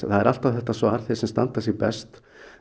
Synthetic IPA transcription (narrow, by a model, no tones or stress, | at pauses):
θaðɛɾal̥t̪avθɛht̪ːasvɔaɾ̥θe̥sɛmst̪ant̪ḁsjɛɣpɛ̰st̪